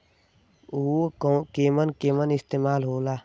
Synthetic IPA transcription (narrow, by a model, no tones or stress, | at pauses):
uːkeːmənkeːmənɪst̪eːmaːlɦoːlaː